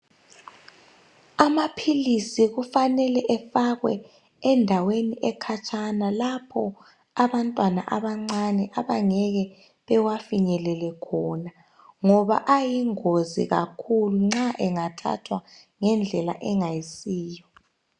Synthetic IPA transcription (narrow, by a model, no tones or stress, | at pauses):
amapʰilisiɣufanɛlɛʔɛfaɣwɛ̰ | ɛndʱaweniʔɛkʰat͡ʃʼʰanalapʰɔ | aβantʼwana̰ʔaβaŋ͡ǀanɛʔaβaŋɛɣɛ | βɛwafiɲɛlɛlɛkʰɔna | ŋɔβa̰ʔajiŋozḭɣa̰kʰuluŋ͡ǁaʔɛŋatʰa̰tʰwaŋɛnd͡ɮʱɛla̰ʔɛŋajisiːjɔ